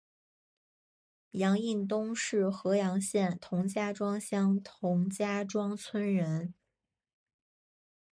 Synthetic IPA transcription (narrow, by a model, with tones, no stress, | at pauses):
jɑ˧˥ŋi˥˩nt̪ʊ˥ŋʂɻ̩˥˩xɤ˧˥jɑ˧˥ŋɕjɛ˥˩nt̪ʰʊ˧˥ŋt͡ɕja˥ʈ͡ʂwɑ˥ŋɕjɑ˥ŋt̪ʰʊ˧˥ŋt͡ɕja˥ʈ͡ʂwɑ˥ŋt͡sʰwə˥nɻə˧˥n